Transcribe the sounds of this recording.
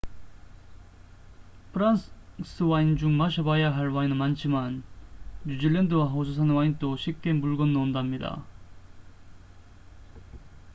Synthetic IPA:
pʰɯɾanss͈ʰɯwaind͡ʑuŋmaɕʰʌbajaɦaɭwainɯnmant͡ɕʰimanː | ud͡ʑiɭːendɯwaɦos̬ʰus̬ʰanwaint͈oɕʰip̚k͈e̞muɭɡʌnːondamɲida̰

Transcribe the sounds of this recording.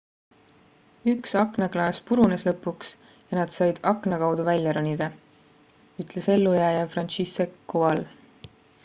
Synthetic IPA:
yksɑkˑnɑklɑːspuɾuneslɤpːˑuks | jɑnɑd̪̥sɑjd̪̥ɑkˑnɑkɑwd̪̥uvælʲjɑɾonʲid̪̥ɑ | yt̪ˑle̞se̞lːujæːjɑfrɑnisekːuɑl

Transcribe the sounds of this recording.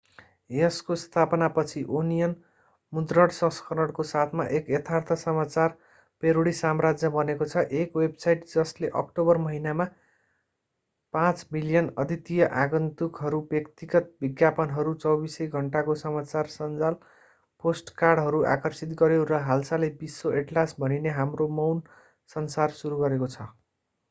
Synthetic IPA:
eskost̪ʰapʌnapʌt͡sʰiʔonijʌn | mud̪rʌɽsʌ̃skʰʌɾʌɽkosat̪ʰmaʔekjet̪ʰart̪ʰʌsʌmat͡sar | peɾuɽisamrad͡zjʌbʌnekot͡sʰʌʔekwebsajʈd͡zʌsleʔʌ̰kʈobʌrmʌɦinama | pãt͡smilijʌnʌd̪ʱit̪ijʌʔaɡʌnt̪ukɦʌɾubjʌkt̪iɡʌt̪̚bʱiɡjapʌnɦʌɾut͡sʌwbisʌjɡʱʌɳʈakosʌmat͡sarsʌnd͡zal | posʈkarɖɦʌɾuʔa̰kʌrsit̪ɡʌɾjeɾʌɦalsalebisːoʔeʈlasbʱʌnineɦamromʌwn | sʌnsarsuɾuɡʌɾekot͡sʰʌ

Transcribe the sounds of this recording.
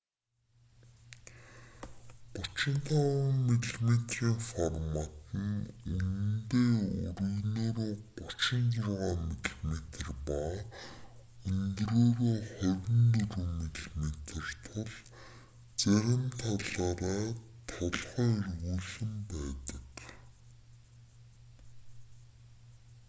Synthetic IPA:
pʊt͡ɕɪ̆nt̪ʰaʁameɮmet̪riːŋfɔrmat̪ə̆nun̆nt̪eːɵ̰ɾɘ̆ɣnoːɾoːpʊt͡ɕɪ̆nt͡sarʁaːmitɮmet̪rpa | ɵnt̪roːɾoːχʊɾʲɘ̆nt̪ɵɾŭmeɮmet̪̆rt̪ʰʊɮ | t͡sæɣʲɪ̆mt̪ʰaɮɔːɾaːt̪ʰɔɮχɔːirɣuːsɵ̆mpæːt̪ə̥̆k

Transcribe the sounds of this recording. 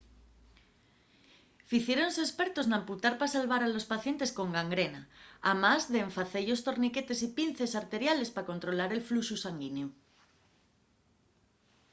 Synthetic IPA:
fiθjeɾonsespeɾt̪o̞znamput̪aɾpasalβaɾalo̞spaθje̞nt̪e̞sko̞ŋɡaŋɡɾenaamazðeːɱfaθeʎost̪o̞ɾnike̞t̪e̞sipin̟θe̞saɾt̪e̞ɾjale̞spako̞nt̪ɾo̞laɾe̞lfluʃusaŋɡineo

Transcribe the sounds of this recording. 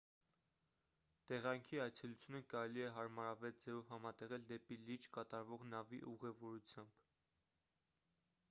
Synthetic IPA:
t̪ɛʁɑŋkʰiɑjt͡sʰɛlut͡sʰjunəkɑɾɛliɛɦɑɾmɑɾɑvɛld͡zɛvɔvhɑmɑt̪ɛʁɛld̪ɛpilid͡ʒkɑt̪ɑɾvɔʁnɑviʔuʁɛvɔɾut͡sʰjɑmb̥

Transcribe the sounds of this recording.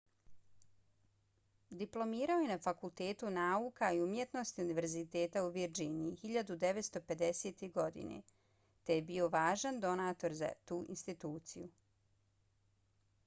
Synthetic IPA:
d̪iplˠo̞miːɾaojenafakulˠt̪e̞ːt̪unaːuːkaiumjet̪no̞st̪iuniʋe̞ɾzit̪e̞ːt̪auʋiɾd͡ʒiɲixiʎad̪ud̪e̞ʋet̪st̪o̞pe̞d̪e̞seːt̪eɡo̞d̪ḭnḛ | t̪e̞jebiːo̞ʋaːʒand̪o̞naːt̪o̞ɾza̰t̪uːʔḭnst̪it̪uːt̪sḭju

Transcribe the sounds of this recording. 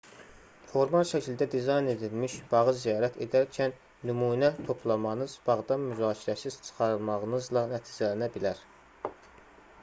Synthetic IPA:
foɾmɑlˠʃæcʰild̪æd̪izɑjne̞d̪ilmiʃb̥ɑʁɯzzijɑːɾæt̪ʰe̞̰d̪æɾcʰænː | ymuːnæt̪ʰo̞pʰlˠɑmɑnɯzb̥ɑʁd̪ɑmyzɑːcʰiɾæsiz̥t͡ʃʰɯ̥χɑɾɯlˠmɑʁɯnɯzlˠɑnæt̪ʰiːd͡ʒælænæbilæɾ

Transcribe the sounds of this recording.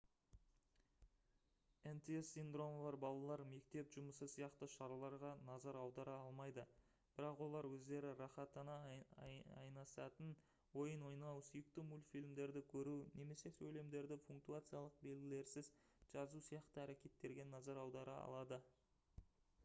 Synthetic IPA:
ent̪eesːind̪ro̞molˠɑɾbɑlˠɑlˠɑɾme̞k̚t̪e̞pʒʊməsəsijɑqt̪əʃɑɾɑlˠɑɾʁɑnɑzɑɾɑwd̪ɑɾɑɑlˠmɑjd̪ə | b̥ɪɾɑqwo̞lˠɑɾwɵzd̪e̞ɾɪɾɑχɑt̪ɑnɑ | ɑ̰jnɑsɑt̪ən | wo̞jənwo̞jnɑwsʊjək̚t̪ɪmulfijlʲmd̪e̞ɾd̪ɪkʲʰɵɾune̞me̞se̞sɵjle̞md̪e̞ɾd̪ɪfuŋkt̪uat̪sɨjalˠəq̚be̞lɡʲɪle̞ɾsɪz | ʒ̥ɑzusijɑqt̪əæɾekʲe̞t̪ːe̞ɾɡʲe̞nɑzɑɾɑwd̪ɑɾəɑ̰lˠɑd̪ə

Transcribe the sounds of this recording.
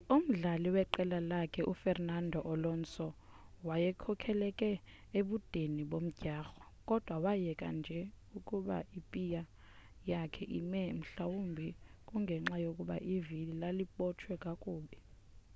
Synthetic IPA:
um̩ɮaliwɛǃɛlalakʰɛʔufɛrnandʱɔʔɔlɔnt͡sʼɔ | wajɛkʰɔkʰɛlɛkʼɛ | eɓud̥ʱeniɓom̩ɟ̥ʱaːxɔ̥ | kʼɔd̥ʱwawajɛkʼa̰nd͡ʒʱɛ | ukʼuɓa̰ipʼija | jakʰɛʔḭmɛm̩ɬawumbʱikʼuŋɡʱɛŋ͡ǁajokʼuɓa̰ʔivililaliɓɔt͡ʃʰwɛkʼakʼuːɓɛ

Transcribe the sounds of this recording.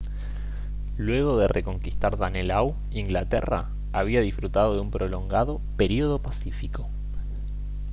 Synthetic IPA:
lwe̞ɣo̞ðerʔeko̞ŋkist̪aɾðanelaw | iŋɡlat̪ḛra̰ | aβiaðifɾut̪að̞o̞ðeumpɾo̞lo̞ŋɡaðo̞pe̞ɾio̞ð̞o̞pasifiko̞

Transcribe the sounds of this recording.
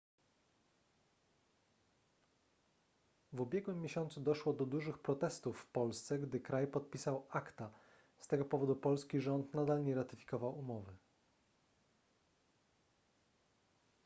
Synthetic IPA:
vubʲjɛɡwɘmːjeɕɔnt̪sud̪ɔʂwɔd̪ɔd̪uʐɘxpɾɔt̪ɛst̪ufːpɔlst̪sɛɡd̪ɘkɾajpɔt̪̚pʲisawakt̪a | st̪ɛɡɔpɔvɔd̪upɔlskʲiʐɔnt̪nad̪alɲɛɾat̪ɘfʲi̥kɔvawumɔvɘ

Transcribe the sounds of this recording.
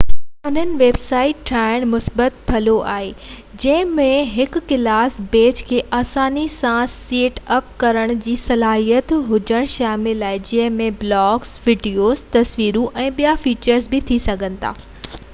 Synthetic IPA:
ʊn̤ənɪ̆ʋeːbsaːɪʈʈʰaːɪɽ̃mʊsbət̪pʰɐloʔa̰ːɦeː | d͡ʑɐ̃ɦɪ̃mẽɦɪkʊ̆kːɪlaːsbeːt͡ɕkʰeːʔaːsaːnisãsseːʈɐp̚kɐɾəɽ̃d͡ʑiːsɐlaːɦijət̪ɦʊd͡ʑəɽ̃ʃaːmɪlaːɦɪd͡ʑɐ̃ɦɪ̃mẽblɔːɡsʋɪɖijoːzt̪ɐsʋiːɾũʔɛ̃ːɓijafiːt͡ɕəɾzbɪt̪ʰisɐɡʱə̃nɪ̆t̪ʰa̰ː

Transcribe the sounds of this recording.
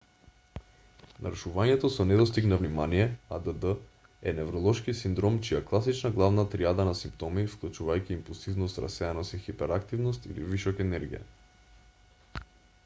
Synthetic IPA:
na̰ɾuʃuvaɲɛt̪osɔnɛd̪ɔst̪iknavnimanijɛad̪əd̪ə | ɛnɛvɾɔlˠɔʃkisind̪ɾɔmt͡ʃijaklˠasit͡ʃnaɡlˠavnat̪ɾiad̪anasimpt̪ɔmifklˠut͡ʃuvajkʲiːmpulˠsivnost̪ɾa̰sɛanasixipɛɾak̚t̪ivnost̪ḭlḭviʃɔkɛnɛɾɡḭja̰

